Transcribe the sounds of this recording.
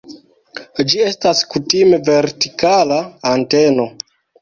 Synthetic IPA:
d͡ʒie̞staskutime̞ve̞ɾtikalaːnte̞no̞

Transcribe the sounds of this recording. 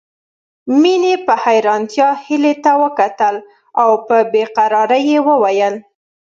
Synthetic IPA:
minepəhajɾɑnt̪jɑhilet̪awəkat̪əl | awpəbeqaɾɑɾajewəwajəl

